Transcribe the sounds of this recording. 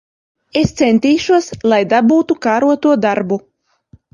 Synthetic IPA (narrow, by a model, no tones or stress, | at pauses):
est̪sɛnt̪iːʃuɔslˠajd̪abuːt̪ukaːɾuɔt̪uɔd̪aɾbu